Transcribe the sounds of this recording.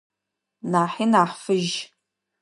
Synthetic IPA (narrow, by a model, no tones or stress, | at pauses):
naːħinaːħfɨʒ